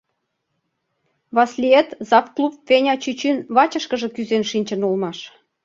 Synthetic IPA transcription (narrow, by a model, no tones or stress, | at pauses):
βɑslʲiet̪zɑfklˠupvʲenʲɑt͡ɕyt͡ɕinβɑt͡ɕə̆ʃkəʒə̆kyzenʃinʲt͡ɕə̆nulmɑʃ